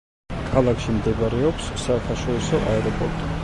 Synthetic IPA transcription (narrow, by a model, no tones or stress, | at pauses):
kʰalˠakʰʃimd̪ɛbaɾɛɔpsːaɛkʰaʃwɛɾisɔʔa̰ɛɾɔpʼɔɾt̪ʼi